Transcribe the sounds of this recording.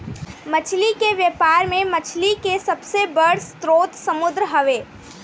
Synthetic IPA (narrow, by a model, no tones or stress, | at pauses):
mɐt͡ʃʰlikeʋjepaːɾmẽmɐt͡ʃʰlikesɐbsebəɽ̤st̪ɾoːt̪sɐmʊd̪ɾəɦɐʋeː